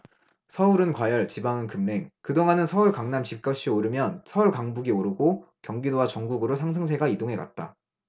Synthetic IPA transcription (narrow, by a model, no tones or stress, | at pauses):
sʰʌuɾɯnkwajʌɭt͡ɕibaŋɯnkɯmne̞ŋkɯdoŋanɯnsʰʌuɭkaŋnamt͡ɕip̚k͈ʌɕ͈ʰioɾɯmjʌnsʰʌuɭkaŋbuɡioɾɯɡokjʌŋɡidowat͡ɕʌŋɡuɡɯɾosʰaŋs̬ʰɯŋs̬ʰe̞ɡaidoŋɦe̞ɡa̰t̚t͈a̰